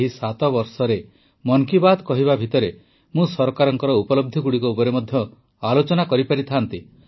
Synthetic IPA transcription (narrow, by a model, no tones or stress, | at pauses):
ɦisat̪ɔbɔɾsɔɾe | mɔŋkibad̪kɔɦiβabʱit̪ɔɾe | mũsɔɾkaɾɔŋkɔɾɔupɔlɔb̚d̪ʱiɡuɽikuupɔɾemɔd̪ʱjɔ | alot͡ʃɔnakɔɾipaɾit̪ʰant̪i